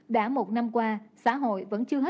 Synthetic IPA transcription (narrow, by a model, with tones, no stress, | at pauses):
ɗa̰ː˧˥mo˨˩t̚na˧mkwaː˧sa̰ː˧˥ɦo̰˧˨jvə̰˧˥nt͡ɕɨ˧əɦe˦˥